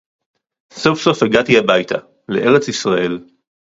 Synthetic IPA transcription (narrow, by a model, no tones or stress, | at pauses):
so̞fso̞feɡat̪iabajt̪ʰa | leʔe̞ʁet͡sisʁaʔe̞l